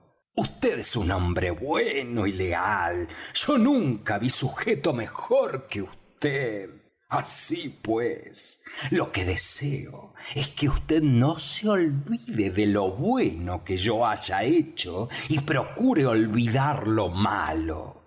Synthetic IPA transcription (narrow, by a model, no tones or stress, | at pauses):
ust̪eðesunõmbɾeβwenoilealʒ̥o̞nũŋkaβisuxet̪o̞mexoɾkeust̪eð | asipweslokeðe̞seo̰eskeust̪eðnoseo̞lβiðeðelo̞βwenokeʒoaʒaet͡ʃoipɾo̞kuɾeolβiðaɾloma̰lo̰